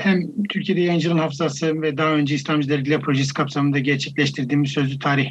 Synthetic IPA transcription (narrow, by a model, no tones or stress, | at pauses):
hæmt̪ʰyɾcʰijed̪ɛjajɯnd͡ʒɯlˠɯnhafzasɯvɛd̪aø̞nd͡ʒɛislʲamd͡ʒilʲˠɛɾiɟilʲɛpʰɾo̞ʒɛs̬i̥kʰapsamɯnd̪aɟɛɾt͡ʃʰɛclʲɛʃt̪ʰiɾd̪iːmizsø̞zyt̪ʰaːɾih